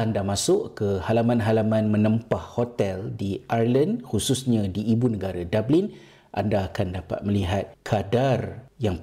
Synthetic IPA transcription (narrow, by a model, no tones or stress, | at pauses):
andamãsʊʔkəhalamãnɦalamãnmə̃nə̃mpahhot̪ɛldiʔarləndhususɲãdiːbunə̃ɡaɾadablɪn | ʔa̰ndaːkandapa̰t̪̚mə̃liɦat̪̚kʰadarjaŋ